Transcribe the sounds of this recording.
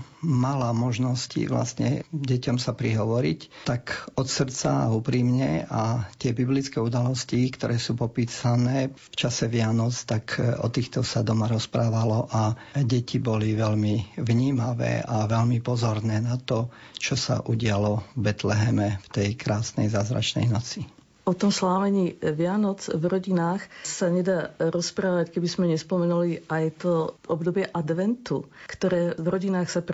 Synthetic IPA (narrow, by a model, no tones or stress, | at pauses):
malamɔʒnɔscḭʋla̰sɲɛ̰ɟɛcɔmsapɾiɦɔʋɔɾict̪akɔt̪sr̩t͡sa̰a̰upɾiːmɲɛat̪ɪɛbiblit͡skɛːud̪alɔscikt̪ɔɾʔɛːsuːpɔpiːsanɛːft͡ʃasɛʋɪanɔt͡st̪akɔ̰t̪iːxt̪ɔsad̪ɔmaɾɔspɾaːʋalɔʔaɟɛcibɔliʋɛlmiʋɲiːmaʋɛ̰ːaʋɛlmipɔzɔɾnɛːnat̪ɔ | t͡ʃɔsa̰ʔuɟɪalɔvbɛt̪lɛɦɛmɛft̪ɛjkɾaːsnɛ̰jzaːzɾa̰t͡ʃnɛ̰jnɔt͡si | ʔɔt̪ɔmslaːmɛɲiːʋɪanɔt͡svɾɔɟinaːxsaɲɛd̪aːɾɔspɾaːʋackɛbizmɛɲɛspɔmɛnuliajt̪ɔʔɔbd̪ɔbɪɛʔad̪ʋɛnt̪ukt̪ɔɾɛːvɾɔɟinaːxsap